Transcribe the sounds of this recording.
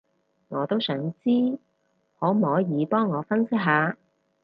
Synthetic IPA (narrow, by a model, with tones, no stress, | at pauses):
ŋɔː˨˧t̪o˥wsœː˨˥ŋt͡siː˥ | hɔː˨˥m̩˨˩˨ɔː˨˥jiː˨˧pɔː˥ŋːɔː˨˧fɐ˥nsɪ˥k̚ɦaː˨˧